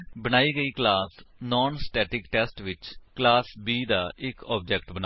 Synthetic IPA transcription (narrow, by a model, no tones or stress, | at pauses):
bəñaːiːɡəiːklaːsnɔːnsʈɛːʈɪkʈɛːsʈʋɪt͡ʃklaːsbiːd̪aːɪkɔːb̚d͡ʒɛːkʈbəna